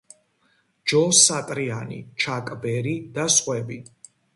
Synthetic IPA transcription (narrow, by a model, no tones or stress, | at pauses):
d͡ʒɔsat̪ʼɾianḭt͡ʃʰakʼbɛɾid̪asχwɛbi